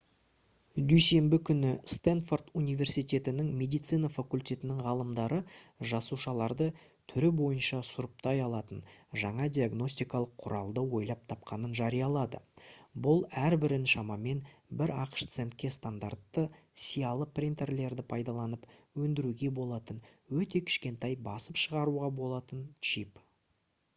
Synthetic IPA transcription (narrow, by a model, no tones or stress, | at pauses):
d̪yjse̞mbɪkʲʰʏnɪst̪enfo̞rt̪unijvʲe̞rsijt̪ʲe̞t̪ɪnɪŋmʲe̞d̪ijt̪sɨjnɑfakulʲt̪ʲe̞t̪ɪnɪŋʁɑlˠəmd̪ɑɾəʒɑsuʃɑlˠɑɾd̪ə | t̪ʰʏɾɪbo̞jənʃɑsʊɾəp̚t̪ɑjɑlˠɑt̪ənʒɑɴɑd̪ijaɡno̞sʲt̪ijkɑlˠəqʰːʊɾʔɑ̰lˠd̪əwo̞jlˠɑp̚t̪ʰɑp̚qʰɑnənʒɑɾijɑlˠɑd̪ə̰bʊlˠæɾbɪɾɪnʃɑmɑme̞n | bɪɾɑqə̥ʃt̪se̞nt̪̚kʲːe̞st̪and̪art̪ːə | sijɑlˠəpʰrʲint̪e̞rle̞ɾd̪ɪpʰɑjd̪ɑlˠɑnəpwɵnd̪ɪɾuɡʲe̞bo̞lˠɑt̪ən | wɵt̪e̞kʲʰɪ̥ʃkʲe̞nt̪ɑjbɑsəpʃəʁɑɾuʁɑbo̞lˠɑt̪ənt͡ʃip